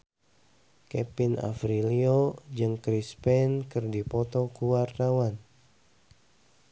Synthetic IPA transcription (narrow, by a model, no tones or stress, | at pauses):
kɛpina̰fɾiliod͡ʒɨŋkɾispɛnkɨrdipɔt̪ɔkuwart̪awan